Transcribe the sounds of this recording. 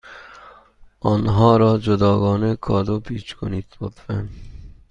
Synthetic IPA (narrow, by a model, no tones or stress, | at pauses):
ʔɒːnɦɒːɾɒːd͡ʒod̪ɒːɡɒːnekʰɒːd̪opʰiːt͡ʃkʰoniːt̪bot̪fen